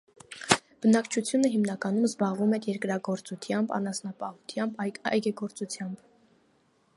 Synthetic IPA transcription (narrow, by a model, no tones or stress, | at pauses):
b̥ənɑkt͡ʃʰut͡sʰjunəɦimnɑkɑnumzbɑʁvumɛɾjɛɾkɾɑɡɔɾt͡sut̪ʰjɑmbɑ̰nɑsnɑpɑhut̪ʰjɑmbɑ̰jɡɛɡɔɾt͡sut͡sʰjɑmb